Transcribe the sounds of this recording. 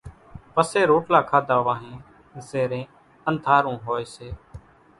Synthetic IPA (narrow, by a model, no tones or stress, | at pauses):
pəseːɾoːʈʰlaːkʰaːd̪ʱaːʋãːɦẽː | zeːɾẽː | ənt̪aːɾũːɦoːeːseː